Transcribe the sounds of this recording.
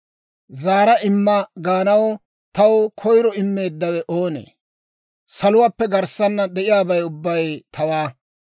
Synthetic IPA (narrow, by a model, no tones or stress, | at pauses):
zaːɾɐʔɪmːɐɡaːnɐw | t̪ɐwkʰɔjɾɔɪmːe̞ːd̪ːɐwɛʔoːnḛː | sɐlʊwaːpːɛɡɐɾsɐnːɐd̪ɛʔɪjaːbɐjʊbːɐjt̪ɐwaː